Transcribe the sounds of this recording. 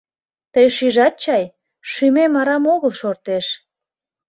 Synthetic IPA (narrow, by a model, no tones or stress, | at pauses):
t̪əjʃiʒɑt̪̚t͡ɕɑj | ʃymemɑɾɑmoɣəlʃort̪eʃ